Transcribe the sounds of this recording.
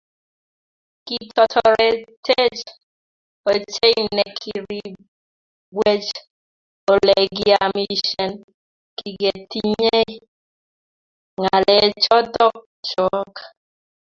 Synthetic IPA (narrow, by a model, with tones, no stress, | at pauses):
ki˦tɔ˨tɔɾɛ˨tʰe˦d͡ʒ | o˨t͡ʃe˦inɛ˨kʰi˨ɾi˨ | ɡwe˦t͡ʃ | o˨lɛ˨ɡɪ˨a˨mi˦ʃɛ˨n | ki˨ɡe˨ti˦ɲe˦ | ŋa˨lɛ˨t͡ʃɔ˦tɔ˦k̚ | t͡ʃɔ˦k